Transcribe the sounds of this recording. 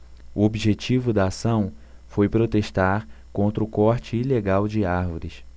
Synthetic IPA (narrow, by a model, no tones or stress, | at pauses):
uobiʒet͡ʃivʊd̪ɐːsɐ̃w̃fojpɾot̪eʃt̪aɾkõnt̪ɾʊkɔɾt͡ʃɪːleɡawd͡ʒɪaɾvoɾɪs